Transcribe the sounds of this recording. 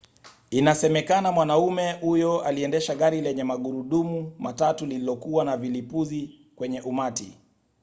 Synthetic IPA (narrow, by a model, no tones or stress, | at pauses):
inasɛmɛkanamwanaumɛhujɔaliɛndɛʃaɠaɾilɛɲɛmaɠuɾuɗumumatatulililɔkuwanavilipuzi | kwɛɲɛʔumatḭ